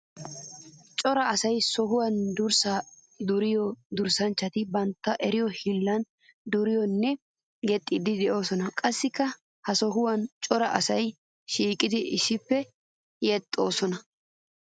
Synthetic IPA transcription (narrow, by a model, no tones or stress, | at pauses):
t͡ʃʼɔɾɐɐsɐjsɔɦʊwɐnd̪ʊɾsaː | d̪ʊɾɪjɔd̪ʊɾsɐnt͡ʃːɐt̪ɪbɐnt̪ːɐʔɛɾɪjɔhɪlːɐn | d̪ʊɾɪjɔnːɛ | ɡɛt̪ʼːɪd̪ɪd̪ɛʔo̞ːsɔnɐkʼɐsːɪkːɐ | hɐsɔɦʊwɐnt͡ʃʼɔɾɐʔɐsɐj | ʃiːkʼɪd̪ɪʔɪʃɪpːɛ | jɛt̪ʼːo̞ːsɔnɐ